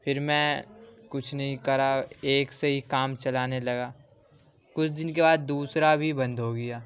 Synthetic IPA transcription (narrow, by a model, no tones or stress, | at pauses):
pʰɪɾmɛ̃kʊt͡ʃʰnɐɦĩkɐɾaeːkseɦikaːmt͡ʃɐlaːnelɐɡaː | kʊt͡ʃʰd̪ɪnkebaːd̪ːuːsɾabʱibɐ̃nd̪ɦoːɡɐjaː